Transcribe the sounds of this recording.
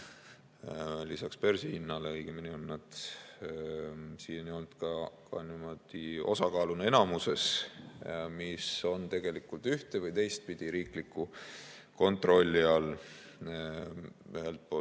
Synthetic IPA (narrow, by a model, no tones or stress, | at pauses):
lisɑkspersihinːɑleɯjɡ̥eminionːɑd̪̥ | siːnonjont̪kɑkɑnimo̞d̪̥iʔo̞̰sɑkɑːlunenɑmuse̞s | miso̞nt̪e̞ɡ̥e̞likːult̪yht̪evɤjt̪e̞jst̪̚pid̪̥iɾiːklikːu | ko̞nt̪ro̞lʲːiɑl | yɦelt̪̚po